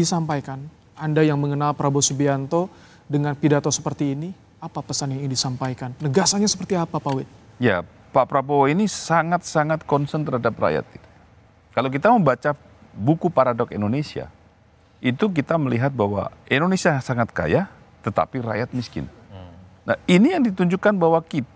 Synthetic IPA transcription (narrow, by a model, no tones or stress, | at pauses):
disampajkan | andajaŋməŋənalpɾabosubiant̪o | dəŋanpidat̪osə̥pərt̪iːni | apapəsanjaŋinidisampajkanːəɡasaɲasə̥pərt̪iapapawɪt̪̚ja̰ | papɾaboinisaŋat̪̚saŋat̪̚kɔnsənt̪əɾɦadap̚ra̰ja̰t̪̚it̪u̥ | kalakit̪aməmbat͡ʃa | bukupaɾadɔkindonesia̰ | it̪uk̬it̪aməliɦat̪̚baɦwa̰indonesiasaŋat̪̚ka̰ja | t̪ət̪a̰piɾa̰jat̪̚miskɪ̰n | na̰inijaŋdit̪uɲd͡ʒukːanbawakit̪